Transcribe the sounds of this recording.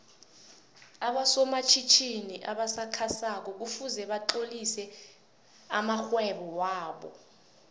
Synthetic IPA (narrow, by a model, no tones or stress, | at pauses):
aɓasɔmat͡ʃʰit͡ʃʰiniʔaɓasakʰasak̬ɔk̬ufuzɛɓaǃolisɛ | amaxwɛɓɔwaːɓɔ̰